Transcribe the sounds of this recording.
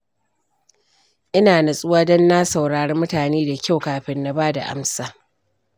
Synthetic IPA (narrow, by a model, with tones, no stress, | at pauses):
ʔɪ˦naː˨na˨sʼʊ˦waː˦dɔ˦nːa˦sa˨wɽaː˨ɽe˦mʊ˦taː˨neː˦da˨kʲa˦˨wkaː˨ɸɪ˦nːa˨baː˦da̰˨ʔa̰˦msaː˦˨